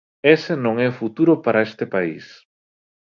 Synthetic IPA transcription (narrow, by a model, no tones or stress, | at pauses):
esenõŋɛfut̪uɾopaɾaest̪epaḭs